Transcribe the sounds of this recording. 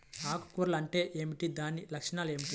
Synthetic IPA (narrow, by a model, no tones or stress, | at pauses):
aːku̥kuːɾɐlɐɳʈe̞ːʔeːmiʈid̪aːnːilɐkʂɐɳaːle̞ːmiʈi